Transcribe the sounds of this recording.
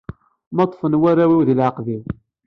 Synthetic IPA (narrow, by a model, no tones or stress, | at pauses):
mɑt̪ˤːfənwæɾæwiwðlʕəqviw